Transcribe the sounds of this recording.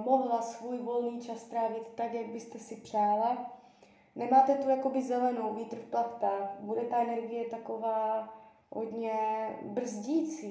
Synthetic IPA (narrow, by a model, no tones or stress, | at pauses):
moɦlasvuːjvolniːt͡ʃast̪ɾaːvɪt̪ːakjaɡ̚bɪst̪ɛsɪpr̝̥aːla | nɛmaːt̪ɛt̪ujakobɪzɛlɛnowviːt̪ɾ̩fplak̪t̪abudɛt̪aɛnɛɾɡɪjɛt̪akovaː | ɦo̰dɲɛbr̩zɟiːt͡siː